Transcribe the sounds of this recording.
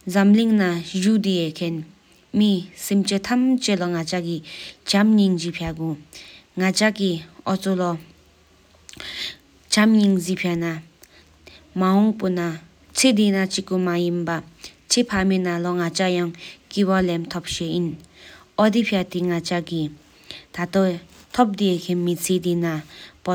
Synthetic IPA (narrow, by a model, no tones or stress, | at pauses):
zamliŋnaʑud̪ijekʰen | misemt͡ɕet̪ʰamt͡ɕelɔŋat͡ɕakit͡ɕamɲiŋd͡ʑipʰaɡuŋat͡ɕakiʔɔt͡sʰolɔ | t͡ɕamɲiŋzipʰana | maɦɔŋpuna | t͡sʰed̪inat͡ɕikumajinpat͡sʰepʰaminalɔŋat͡ɕajɑŋkiwalemt̪ʰɔp̚ɕeʔinʔɔd̪ipʰiat̪iŋat͡ɕaki | t̪ʰat̪ot̪ʰɔp̚d̪ekʰenmit͡sʰed̪inapɔ